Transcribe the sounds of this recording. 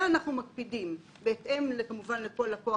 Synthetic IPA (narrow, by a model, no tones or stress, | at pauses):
naχnumak̚pidim | beːtʔe̞mlekamuvanleko̞lako̞a